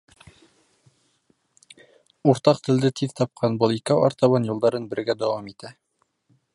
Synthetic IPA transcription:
uɾt̪ɑq̚t̪ɘ̆ld̪ɘt̪ʰiðt̪ɑp̚qʰɑnbolˠikæwɑ̰ɾt̪ɑβɑnjulˠd̪ɑɾɤnbɘ̆ɾɡæd̪æwɑmit̪æ

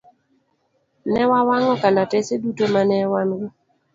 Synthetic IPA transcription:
nɛwawaŋɔkanatesedutomanɛwanɡɪ

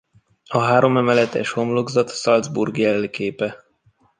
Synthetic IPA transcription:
ɒɦaːɾo̞mɛmɛlɛt̪ɛ̰ʃhomloɡzɒt̪sɒld̪zbṵrɡjɛlːikeːpɛ

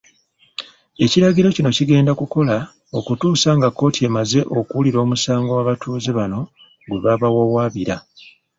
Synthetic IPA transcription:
e̞ciɾaɡiɾo̞cino̞ciɡe̞ːndakuko̞la | o̞kutuːsaŋɡakːo̞ːtʰie̞maze̞ʔo̞kuuliɾo̞ːmusaːŋɡowaβatʰuːzeβano̞ | ɡwe̞βaβawowaːβiɾa

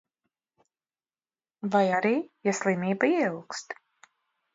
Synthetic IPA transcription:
vajaɾiːjaslˠimiːbaiɛuwkst̪

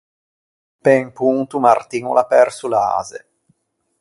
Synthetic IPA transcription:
peŋpuŋt̪umart̪iŋulapɛrsulaa̰ːzḛ

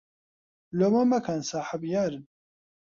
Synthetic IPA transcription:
lomamakʰansaːħabjaɾɨn

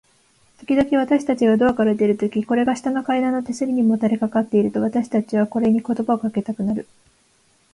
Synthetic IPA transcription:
t̪o̞kʲid̪o̞kʲiβ̞at̪aɕi̥t̪at͡ɕiɡad̪o̞akaɾad̪e̞ɾɯ̟t̪o̞kʲiko̞ɾe̞ɡaɕi̥t̪anokaid̪ãnːot̪e̞sɨɾʲiɲ̟imo̞t̪aɾekakat̪ːe̞iɾɯ̟t̪o̞βat̪aɕi̥t̪at͡ɕiβ̞ako̞ɾe̞ɲ̟iko̞t̪o̞baokake̞t̪akɯ̟naɾɯ̟

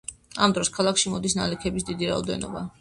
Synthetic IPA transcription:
amd̪ɾɔskʰalˠakʃimɔd̪isnalɛkʰɛbis̬d̪id̪iɾaɔ̰d̪ɛ̰nɔ̰ba̰

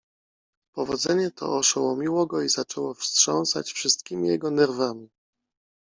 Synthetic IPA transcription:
pɔvɔd̪zɛɲɛt̪ʰɔ̰ɔʂɛwɔmʲiwɔɡɔizat͡ʂɛwɔfstʂɔ̰̃ñsa̰t͡ɕfʂɘst̪̚kʲimʲijɛɡɔnɛɾvamʲi

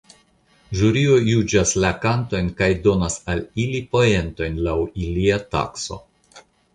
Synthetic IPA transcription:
ʒuɾio̞jud͡ʒaslakanto̞jnkajdo̞nasalilipo̞je̞nto̞jnlawiliata̰kso̞̰

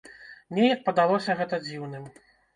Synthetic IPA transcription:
nʲɛjɐk̚pɐd̪alˠɔsʲɐɣɛt̪ɐd͡zʲiwnɨm

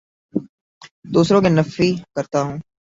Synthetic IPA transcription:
d̪uːsɾõːkenəfiːkəɾt̪aːɦũː

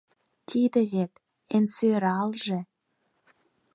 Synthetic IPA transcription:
t̪ʰid̪ə̆βet̪ | ensøɾɑlʒĕ

